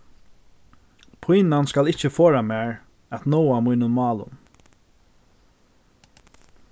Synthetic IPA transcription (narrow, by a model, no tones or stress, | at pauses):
pʰujnanskalɪht͡ʃəfoːɾamæːɹ | at̪nɔwamujnʊnmɑːlʊ̰n